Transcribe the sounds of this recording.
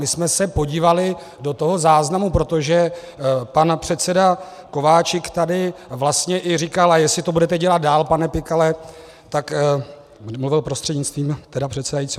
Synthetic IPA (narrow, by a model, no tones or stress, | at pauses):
ɪsmɛsɛpo̞ɟiːvalɪ | do̞t̪oɦo̞zaːznamupɾo̞t̪o̞ʒɛ | panpr̝̥ɛt̪sɛda | ko̞vaːt͡ʃɪkt̪adɪvlast̪ɲɛʔɪrikalajɛsɪt̪o̞budɛt̪ɛɟɛlat̪̚daːlpanɛpɪkalɛ | t̪ak | mluvɪlpɾo̞st̪r̥ɛdɲɪt͡st̪viːmt̪ɛdapr̥ɛt̪sɛdajit͡si